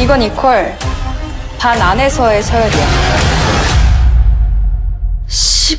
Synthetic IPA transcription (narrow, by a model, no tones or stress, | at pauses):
iɡʌnikʰʌɭ | panane̞sʰʌe̞sʰʌjʌɾiʌ | ɕi